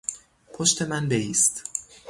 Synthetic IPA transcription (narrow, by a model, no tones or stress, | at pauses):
pʰoʃt̪ʰe̞mænbeiːst̪